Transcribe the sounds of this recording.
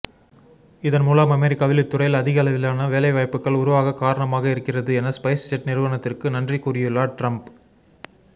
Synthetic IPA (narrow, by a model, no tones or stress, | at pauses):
ɪðɐnmuːlaːmɐmɛɾɪkːaːʋɪlɪt̪ːʊrɐɪlɐðɪɣɐɐlɐʋɪlaːnɐʋeːlɐɪʋaːɪpːɯkːɐɭʊɾʊʋaːɣɐkaːɾɐɳɐmaːɣɐɪɾɯkːɪrɐðɯɛnɐspɐɪssɛʈnɪɾɯʋɐɳɐt̪ːɪrkɯnɐndrikuːrɪjɯlːaːʈrɐmp